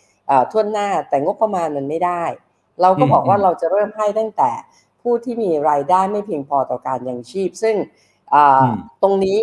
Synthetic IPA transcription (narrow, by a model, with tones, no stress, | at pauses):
ʔaː˨˩t̪ʰu˥˩ənːaː˥˩t̪ɛː˨˩ŋo˦˥pːɾa˧maː˧nma˧nma˥˩jdaː˥˩j | ɾa˧wkɔː˥˩bɔː˨˩k̚waː˥˩ɾa˧wt͡ɕa˨˩ʔɾɤː˥˩mɦa˥˩jt̪a˥˩ŋt̪ɛː˨˩ | pʰuː˥˩t̪ʰiː˥˩miː˧ɾaː˧jdaː˥˩jma˥˩jpʰi˧ə˧ŋpʰɔː˧t̪ɔː˨˩kaː˧njaː˨˩ŋt͡ɕʰiː˥˩p̚sɯ˥˩ŋ | ʔɤː˨˩t̪o˧ŋniː˦˥